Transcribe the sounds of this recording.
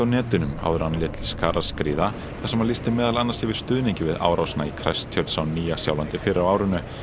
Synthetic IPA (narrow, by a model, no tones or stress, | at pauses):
awnɛːt̪ʏnʏma̰wðʏɾanlɪt̪ɪlskaːɾaskɾiːða | θasɛmalist̪ɪmɛːðalanːashɪvɪð̥st̪ʏːðniɲcɪvɪða̰ːwɾawsna̰ikʰɾa̰jst̪ʰjœɾt̪sawniːjasja̰wlant̪ɪfɪɾɪɾawaːwɾʏnʏ